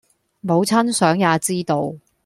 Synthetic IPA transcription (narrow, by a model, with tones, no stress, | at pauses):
mo˨˧wt͡sʰɐ˥nsœː˨˥ŋjaː˨˧t͡siː˥t̪o˨˧w